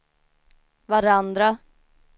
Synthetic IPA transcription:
vaɾand̪ɾa

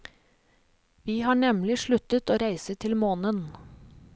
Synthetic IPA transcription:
ʋiːhɑːɳɛmlɪʃɭʉt̪ət̪oːɾæɪsət̪ʰɪlmoːnən

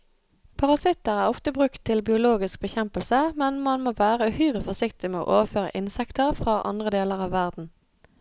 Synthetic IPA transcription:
pʰɑʁɑsɪt̪əʁæːʁɔft̪əbʁʉkt̪ʰːɪlbɪʊloːɡɪsk̚bəçɛmpəlsəmɛnmɑnmoːʋæːʁəhœʏʁəfɔsɪkt̪ɪmeːo̰ːʔoːʋəføːʁə̰ʔɪnsɛkt̪əʁfʁɑːʔɑ̰nd̪ʁəd̪eːləʁɑːʋʋæʁd̪n̩

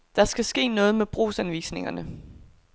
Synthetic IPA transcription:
d̥ɑ̈sɡ̥æsɡ̥e̝̰ːnɔ̽ːð̞̩ˠmeb̥ʁo̰ːsænʋḭːsne̝ŋɐnə

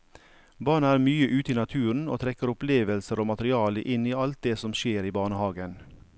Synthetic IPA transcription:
bɑːɳæːɾmyːəʔʉːt̪iːnɑt̪ʰʉːɳ̩o̰ːt̪ʰɾɛkəɾʊpleːʋəlsəɾoːmɑt̪əɾɪɑːləʔɪniːɑlt̪̚d̪eːsɔmʃeːɾiːbɑːɳəhɑːɡən

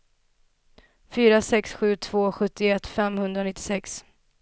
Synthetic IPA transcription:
fyːɾasɛksɧʉ̟ːt̪ʰv̥oːɧɵt̪ːɪɛt̪ːfɛmhɵnd̪ɾanɪt̪ːɪ̥sɛks

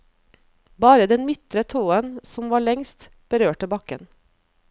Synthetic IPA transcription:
bɑːɾəd̪ɛnmɪt̪ɾət̪ʰoːənsɔmʋɑːɭɛŋst̪ | b̥əɾøːʈəbɑkə̰n

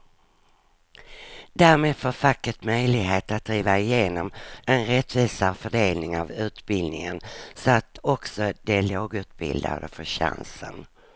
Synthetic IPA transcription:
d̪̥æːɾmeːd̪foːɾfakːəʈmœjlɪɡɦeːt̪at̪̚d̪ɾiːvaɪjeːnɔmɛnɾɛt̪ːviːsafœɖeːlnɪŋavʉ̟ːt̪bɪld̪nɪŋənsɔat̪ʰɔksɔd̪ɛloːɡʉ̟ːt̪̚bɪ̰ld̪a̰d̪əfœɕa̰nsə̰n

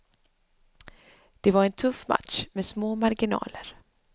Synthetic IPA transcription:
d̪̥ɛvaɾɛnt̪ʰɵfːma̰t̪ʂmɛsmoːmaɾɡɪnɑ̰ːləɾ

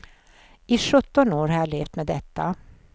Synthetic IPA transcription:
ɪʂɵt̪ːɔnoːɾhɑjaɭeːft̪mɛd̪ɛt̪ːa

